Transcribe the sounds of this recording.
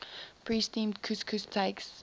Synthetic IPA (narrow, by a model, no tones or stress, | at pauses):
pʰɹiːstĩːmdkʰuskʰʉstʰeɪks